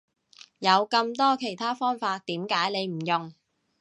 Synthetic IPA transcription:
jɐ˨˧wkɐ˧mt̪ɔː˥kʰe˨˩jt̪ʰaː˥fɔː˥ŋfaː˧t̪̚t̪iː˨˥mkaː˨˥jne˨˧jm̩˨˩jʊ˨ŋ

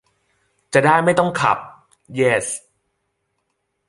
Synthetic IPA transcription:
t͡ɕa˨˩daː˥˩jma˥˩jt̪ɔ˥˩ŋkʰa̰˨˩p̚ | jeː˦˩s

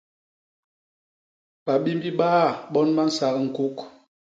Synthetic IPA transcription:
pa˨ɓi˦m˦bi˦ɓaː˦˨ɓɔ˦nma˦n̩˦sa˨kŋ̩˨ku˦k

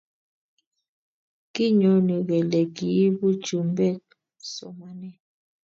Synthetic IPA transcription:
ki˦ɲɔ˨˦nɔ˨ɣɛ˨lɛ˨ki˨˦bu̥˦d͡ʒu˨m˦bɛ˦˨k̚ | sɔ̰˨ma˦nɛ˦

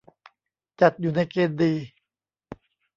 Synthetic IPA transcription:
t͡ɕa˨˩t̪̚juː˨˩na˧jkeː˧ndiː˧

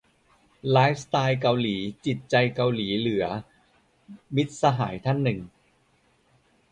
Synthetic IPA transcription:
laː˦˥jf̚st̪aː˧jka˧wliː˩˦t͡ɕi˨˩t̪̚t͡ɕa˧jka˧wliː˩˦lɯ˩˦ɐ | mi˦˥t̪̚sa˧ɦa̰ː˩˦jt̪ʰa˥˩nːɯ˨˩ŋ

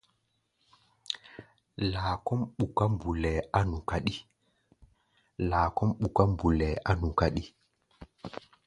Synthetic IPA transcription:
laː˨kɔ˦mɓu˨ka˦mbu˨lɛ˨ʔa˦nu˨ka˦ɗi˦ | laː˨kɔ˦mɓu˨ka˦mbu˨lɛ˨ʔa˦nu˨ka˦ɗi˦

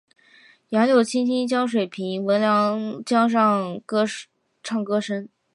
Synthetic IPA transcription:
jɑ˧˥ŋjo˨˩ʊt͡ɕʰi˥nt͡ɕi˥nt͡ɕjɑ˥ʊʂ̬we˨˩ɪpʰi˧˥ŋwə˧˥nljɑ˧˥ŋt͡ɕjɑ˥ŋʂ̬ɑ˥˩ŋkɤ˥ʂ | ʈ͡ʂʰɑ˥˩ŋkɤ˥ʂə˥n

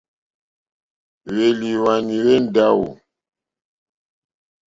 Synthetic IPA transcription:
we˨li˨wa˨ni˨we˦n˦˨da˦wṵ˨

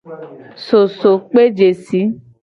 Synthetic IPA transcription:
so˨so˨k͡pe˦d͡ʒe˨si˨˦

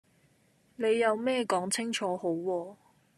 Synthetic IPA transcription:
ne˨˧jːɐ˨˧wmɛː˥˧kɔː˨˥ŋt͡sʰɪ˥ŋt͡ʃʰɔː˨˥ho˨˥wːɔː˧

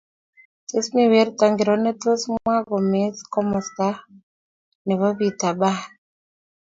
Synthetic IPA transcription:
te˦smi˨we˨˦ɾt̪a˨ŋɡɪ˨ɾɔ˨nɛ˦to˦smwa˦ɡɔ˨me˨˦skɔ˦mɔ˨st̪a˦ | nɛ˨βɔ˦βi˨t̪a˨ba˦˨

